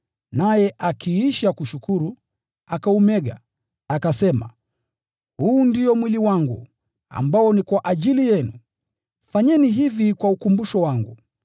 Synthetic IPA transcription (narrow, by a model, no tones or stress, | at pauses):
najɛʔakʰiiʃakuʃukuɾu | akaumɛɠa | akasɛma̰ | huːndiɔmwiliwaŋɡṵ | a̰mbaɔnikwaʔaʄilijɛnu | faɲɛniɦivikwaukumbuʃɔwaŋɡu